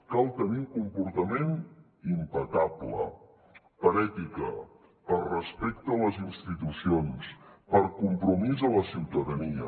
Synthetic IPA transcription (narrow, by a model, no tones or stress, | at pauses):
kalˠt̪əniuŋkumpuɾt̪əmen | impəkablə̰ | pəɾɛt̪ikə | pəlrəspɛkt̪əːləzinst̪it̪usionspəɾkumpɾumizələsiwt̪əðəniə̰